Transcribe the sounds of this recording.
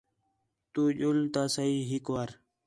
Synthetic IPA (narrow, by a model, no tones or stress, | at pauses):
t̪uʄult̪asaiɦikwaɾ